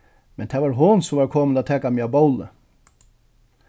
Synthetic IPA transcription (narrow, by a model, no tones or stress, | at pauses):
mɛnt̪ʰɛʋaːɾɦonsɔmvaːɾkʰoːmənat̪ʰɛːkamiabowlə